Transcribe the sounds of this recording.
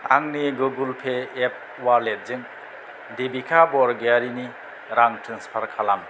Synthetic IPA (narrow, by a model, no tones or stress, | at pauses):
a̰ŋniɡɯɡulpʰeːp̚ | waɾlet̚zɯŋ | debikʰabɔɾɡeaɾini | ɾaŋtʰɯŋspʰaɾkʰalam